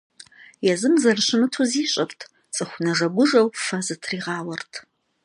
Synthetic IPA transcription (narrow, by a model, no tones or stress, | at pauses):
jɛzɨmzɐrɕɪnɨtʰuziːɕʼɐrtʰ | t͡sʼɨxʷʊnɐʐɐɡʷʊʒɐwfɐzɨtʰriːʁɑːwɐrtʰ